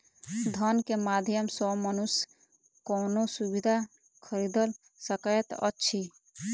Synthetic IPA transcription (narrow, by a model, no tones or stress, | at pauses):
d̪ʱənkemad̪ʱjəmsɔmənus | kɔːnosubid̪ʱa | kʰəɾid̪əl | səkəjt̪ə̰tːʃʰi